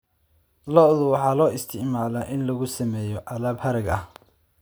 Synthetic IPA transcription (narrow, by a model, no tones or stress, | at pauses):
lɔʔðʊwɑħɑːlɔːɪst̪ʰɪʕmaːlaʔɪnlɐɣʊsɐmɛːjɔʔɑlaːbhɐɾɐɡɐh